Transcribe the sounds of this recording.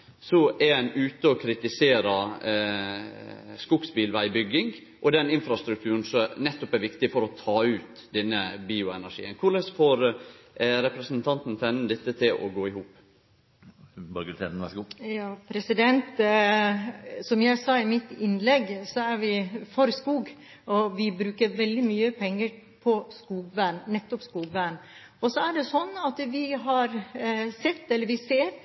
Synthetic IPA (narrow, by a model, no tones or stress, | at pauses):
sɔɛɾɛnʉːt̪əɔkʰɾɪt̪ɪseːɾə | skʊksbiːlʋæɪbʏɡɪŋ | ʔɔd̪ɛnɪnfɾɑst̪ɾʉk̚t̪ʰʉːɾn̩sɔnɛt̪ːɔpɛɾʋɪkt̪ɪfɔɾɔt̪ʰɑːʉːt̪ | d̪ɛnːəbiːʊɛnæɾʂḭːənkʰʊɾlɛsfoːɾ | ɾɛpɾɛsnt̪ʰɑnt̪n̩t̪ʰɛnːn̩d̪ɛt̪ːət̪ʰɪlʔɔ̰ɡoːɪhuːp | bɑɡt̪ʰɛnskujɑːpʰɾɛsɪd̪ɛnt̪ | sɔmjæɪsɑːɪmɪt̪ɪnlɛɡːsɔæɾʋɪfɔɾskuːɡ | ɔʋɪbɾʉːkəɾʋɛld̪ɪmyːəpʰɛŋːəɾ | pʰɔskuːɡʋæːnnɛt̪ːɔpskuːɡʋæn | ɔsɔæɖɛsɔnːɑt̪ʋɪɦɑɾsɛt̪ːɛlːəɾʋɪseːɾ